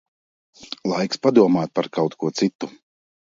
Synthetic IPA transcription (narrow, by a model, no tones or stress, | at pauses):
lˠajkspad̪uɔmaːt̪̚paɾkawt̪kuɔt̪sit̪ːu